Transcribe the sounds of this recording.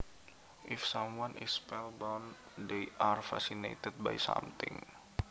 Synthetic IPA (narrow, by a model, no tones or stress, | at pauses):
ʔifsãmwanʔispɛlbawn | d̪eʔarfa̰sinḛt̪ət̪̚bajsa̰mt̪ɪ̰̃ŋ